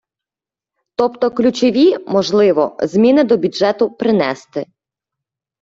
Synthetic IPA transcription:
t̪ɔpt̪ɔklʲut͡ʃɔʋʲimɔʒlˠɪʋɔ̰zmʲinɪd̪ɔbʲuʒɛt̪ʊpɾɪnɛst̪ɪ

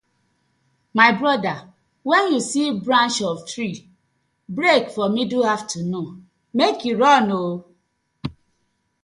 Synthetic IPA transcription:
maɪbɾɔda | wɛnjusibɾãnt͡ʃɔvtɾi | bɾekfɔmiduhavtuno | mekjuɾɔno

